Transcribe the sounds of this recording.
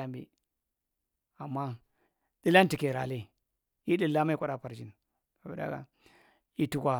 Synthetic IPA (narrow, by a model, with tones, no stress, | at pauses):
a˦mbḭ˨ | a˨mːa˦ | ɗi˦la˦nti˨ke˨ɾa˨le˦ | ji˦ɗi˦la˦ma˦i˦kʷa˦ɗa˨pa˨ɾd͡ʒi˦n | a˨bi˨da̰˦ɡa̰˨ | i˦tu˦kʷa˨